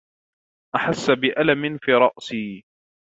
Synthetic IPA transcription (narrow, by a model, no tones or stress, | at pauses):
ʔaħasːabɪʔalamɪnfiːɾˤɑʔsiː